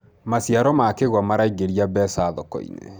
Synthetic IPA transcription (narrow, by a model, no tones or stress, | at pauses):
masiaɾɔmakeɣwamaɾaiɣeɾiabɛsaðɔkɔ̰ḭnḛ